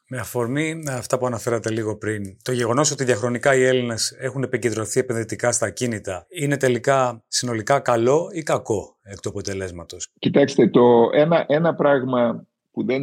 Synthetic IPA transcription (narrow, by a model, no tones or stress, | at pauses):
meɐfo̞ɾmiɐft̪ɐpuɐnɐfe̞ɾɐt̪e̞liɣo̞pɾint̪o̞ʝe̞ɣo̞no̞so̞t̪iðiɐxɾo̞nikɐie̞line̞se̞xune̞pice̞nd̪ɾo̞θie̞pe̞nðit̪ikɐst̪ɐcinit̪ɐine̞t̪e̞likɐsino̞likɐkɐlo̞ikɐko̞ | ekt̪uɐpo̞t̪e̞le̞zmɐt̪o̞scit̪ɐkst̪e̞t̪o̞enɐʔe̞nɐpɾɐɣmɐ | puðe